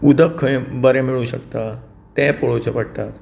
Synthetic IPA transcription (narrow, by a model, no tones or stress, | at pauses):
ud̪ʱəkʰːəẽbəɾẽmiɭũɕəkt̪a | t̪ɛ̃poɭot͡ɕʰəpəɽt̪at̪